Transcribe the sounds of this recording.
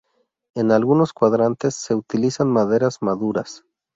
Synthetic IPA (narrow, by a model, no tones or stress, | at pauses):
e̞nalɣuno̞skwaðɾant̪e̞sːe̞ut̪ilisanmaðe̞ɾazmaðuɾas